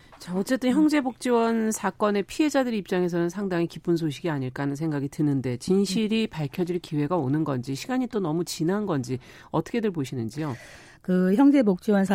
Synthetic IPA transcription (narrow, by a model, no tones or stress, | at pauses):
t͡ɕaʌt͡ɕ͈e̞t͈ɯnçjʌŋd͡ʑe̞bok̚t͡ɕ͈iwʌnsʰak͈ʌne̞pʰie̞d͡ʑadɯɾip̚t͡ɕ͈aŋe̞s̬ʰʌnɯnsʰaŋdaŋikip͈uns̬ʰoɕʰiɡiaɲiɭk͈anɯns̬ʰe̞ŋɡaɡitɯnɯnde̞t͡ɕinɕʰiɾipaɭkʰjʌd͡ʑiɭkiwe̞ɡaonɯnɡʌnd͡ʑiɕʰiɡaɲit͈onʌmut͡ɕinɦanɡʌnd͡ʑi | ʌt͈ʰʌ̥kʰedɯɭboɕʰinɯnd͡ʑio | kɯçjʌŋd͡ʑe̞bok̚t͡ɕ͈iwʌns